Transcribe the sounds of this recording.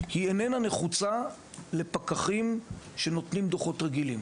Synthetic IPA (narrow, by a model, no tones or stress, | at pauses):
hienenane̞χut͡sa | le̞pakaχimʃe̞no̞t̪nimd̪oχo̞tʁeɡilim